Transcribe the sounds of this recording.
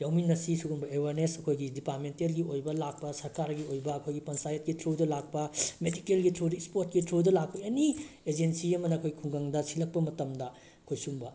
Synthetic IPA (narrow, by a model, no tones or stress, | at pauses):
jawminːɐsisuɡunbɐeweɾnesɐkʰojɡidipaɾmentelɡiojbɐlak̚pɐsɐɾkaɾɡiojbɐːkʰojɡipɐnsajɐt̚ɡitɾudɐlak̚pɐmedikelɡitʰɾuɾispoɾt̚kitʰɾudɐlak̚pɐjɐnied͡ʒensiɐmɐnɐɐkʰojɡikʰuŋɡɐŋdɐsilɐk̚pɐmɐtɐmdɐ | kʰojsuŋbɐ